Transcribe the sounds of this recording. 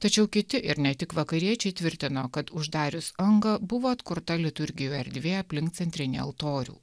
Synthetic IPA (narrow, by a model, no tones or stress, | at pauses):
t̪ɐt͡ʃʲɛʊkʲɪt̪ʲɪʔɪɾnʲɛt̪ʲɪkʋɐkɐɾʲiɛt͡ʃʲɛɪt̪ʲʋʲɪɾʲt̪ʲɪnoːkɐt̪ʊʒd̪ɑːɾʲʊsɐŋɡɐbʊʋoːɐt̪kʊɾt̪ɐlʲɪt̪ʊɾʲɡʲɪjuːɛɾʲd̪ʲʋʲeːɐpʲlʲɪŋkt̪sʲɛnʲt̪ʲɾʲɪnʲḛɐ̰lˠt̪oːɾʲṵː